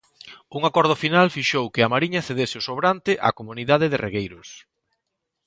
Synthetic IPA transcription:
uŋakɔɾð̞ʊfinalfiʃowkɪamaɾiɲɐθeðesɪʊsoβɾant̪ɪʔa̰komuniðað̞ɪðɪrʔḛɣejɾʊs

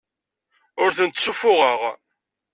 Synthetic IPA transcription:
ʊɾθənt̪sufʊʁəʁ

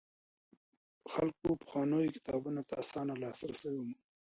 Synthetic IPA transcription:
xalk̚opʊ̥xwɑnojkɪ̥t̪ɑbunat̪aasɑnalɑsɾasawima

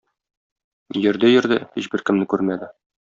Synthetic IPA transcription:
jɘ̆ɾd̪ɘjɘ̆ɾd̪ɘhiɕbɘɾkɘ̆mnɘkʉɾmæd̪ɘ

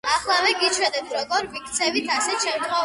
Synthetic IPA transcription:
aχlˠavɛɡit͡ʃʰwɛd̪ɛt̪ʰɾɔɡɔɾvik̚ʰt̪sʰɛvit̪ʰasɛt̪ʃɛmt̪χɔ

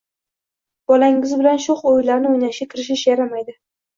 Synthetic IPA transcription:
b̥ɒlaŋɪzbɪlanʃʊχojlaɾnɪojnaʃakʰʲɪɾɪʃ̬ɪʃjaɾamajd̪ɪ

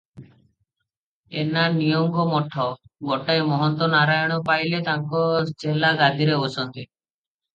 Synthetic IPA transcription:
enaɾnijɔŋɡɔmɔʈʰɔɡoʈajmɔɦɔnt̪ɔnaɾajɔɽ̃ɔpajlet̪aŋkɔd͡ʒelaɡad̪ʱiɾeosɔnt̪i

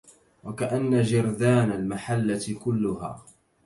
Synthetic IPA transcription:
wakaʔanːad͡ʒɪɾd̪aːnalmaħalːat̪kʊlːʊha̰ː

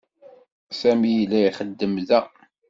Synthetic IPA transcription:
sæmijlːæiχəd̪ːəmðæ

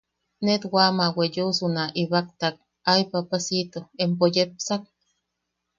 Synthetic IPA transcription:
net̪wamawejusunaʔiβak̚t̪ak̚ | ajpapasit̪oempojep̚sak̚

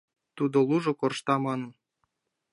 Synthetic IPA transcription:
t̪ud̪ŏlˠuʒŏkorʃt̪ɑmɑnɤ̆n

